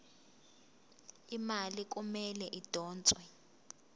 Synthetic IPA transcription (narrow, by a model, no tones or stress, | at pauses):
imalik̬umɛlɛʔid̥ʱɔːnt͡sʼwɛ